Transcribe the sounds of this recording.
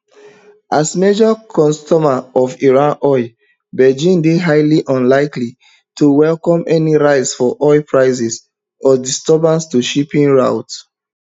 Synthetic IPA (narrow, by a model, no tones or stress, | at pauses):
ʔasmed͡ʒɔkʰɔ̃nstɔmaɔfiɹãnɔɪ | bɛd͡ʒĩndeɦaɪliʔɔ̃nlaɪkli | tʰuwɛlkɔ̃mɛniɹaɪtsfɔʔɔɪpʰɹaɪsɛs | ɔdistɔbãnstuʃipĩnɹaʊt